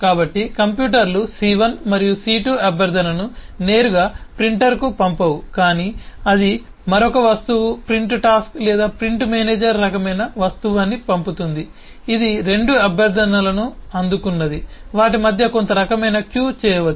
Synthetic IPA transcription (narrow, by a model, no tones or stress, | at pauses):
kaːbɐʈːikɐmpjuːʈɐɾlusiʋɐnmɐɾijusiːʈuɐbɐɾd̪ʱɐnɐnu | ne̞ːɾuɡaːpɾiɳʈɐɾkupɐmpɐʋukaːniːɐd̪i | mɐɾokɐʋɐst̪uʋupɾiɳʈʈaːsklɛːd̪aːpɾiɳʈmeːneːd͡ʒɐɾːɐkɐmɐjnɐʋɐst̪uʋaːnːipɐmput̪und̪iː | d̪iɾe̞ɳɖuɐbɐɾd̪ʱɐnɐlɐnuɐnd̪ukunːɐd̪iʋaːʈimɐd̪ʱjɐko̞nt̪ɐɾɐkɐmɐjnɐkjuːt͡ʃɛːjɐʋɐ